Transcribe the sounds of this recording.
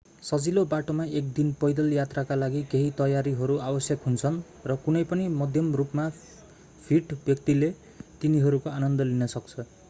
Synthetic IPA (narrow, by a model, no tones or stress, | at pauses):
sʌd͡zilobaʈomaek̚d̪inpʌjd̪ʌljat̪rakalaɡikeɦit̪ʌjaɾiɦʌɾuabʌsjʌkɦunt͡sʰʌn | rʌkunʌjpʌnimʌd̪ʱjʌmrupma | pʰiʈbjʌkt̪ile | t̪iniɦʌɾukoanʌnd̪ʌlinʌsʌk̚t͡sʰʌ